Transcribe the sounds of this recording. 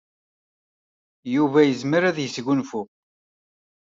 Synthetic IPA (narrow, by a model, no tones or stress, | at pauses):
juvæjəzməɾæðjəsʝunfu